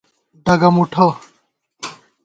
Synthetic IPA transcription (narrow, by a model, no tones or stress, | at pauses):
ɖaɡamuʈʰɔ